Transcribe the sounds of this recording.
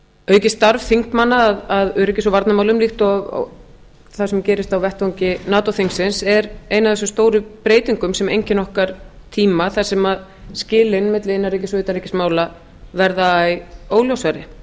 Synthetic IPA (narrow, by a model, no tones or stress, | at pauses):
œɥcɪst̪aɾvθiŋ̥kmanːaːðaðœɾɛhcɪs̬ɔvaɾt̪namaːwlʏmliht̪ɔ̰ | θasɛmcɛːɾɪst̪awvɛht̪vowɲcɪnaːt̪ɔθiŋksɪnsɛɾejnaðɛsʏmst̪oːwɾʏpɾeːjt̪iŋkʏmsɛmejɲcɪnːɔhkaɾ | t̪ʰiːmaθasɛmað | scɪːlɪnːmɪt̪lɪɪnːaɾejc̬ɪsɔʏːt̪anɾecɪsmaːwla | vɛɾðajoːwljowsaɾɪ